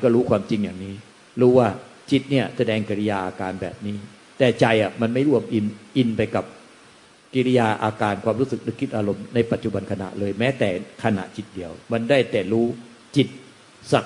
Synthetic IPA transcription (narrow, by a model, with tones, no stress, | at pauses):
kɔː˥˩ɾuː˦˥kʰwaː˧mt͡ɕi˧ŋjaː˨˩ŋniː˦˥ | ɾuː˦˥waː˥˩ | t͡ɕi˨˩t̪̚ni˥˩ɐsa˧dɛː˧ŋki˧ɾi˦˧˥jaː˧ʔaː˧kaː˧nbɛ̰ː˨˩p̚niː˦˥ | t̪ɛː˨˩t͡ɕa˧jʔa˨˩ma˧nma˥˩jɾu˥˩əmʔi˧nʔi˧npa˧jka˨˩p̚ | ki˧ɾi˦˥jaː˧ʔaː˧kaː˧nkʰwaː˧mɾuː˦˥sɯ˨˩k̚nɯ˦˥˩kʰːi˥˩t̪ʔaː˧ɾo˧mna˧jpa˨˩t̪̚t͡ɕu˨˩ba˧nkʰa˧na̰˨˩ʔlɤː˧jmɛː˦˥t̪ɛː˨˩kʰa˧na̰˨˩ʔt͡ɕi˨˩t̪̚di˧əwma˧ndaː˥˩jt̪ɛː˨˩ɾuː˦˥ | t͡ɕi˨˩t̪̚ | sa˨˩